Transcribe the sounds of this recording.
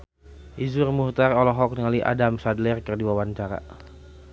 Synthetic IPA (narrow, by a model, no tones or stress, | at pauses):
ʔizurmuht̪arɔlɔɦɔk̚niŋaliʔa̰damsadlɛrkɨrdiwawaɲt͡ʃaɾa̰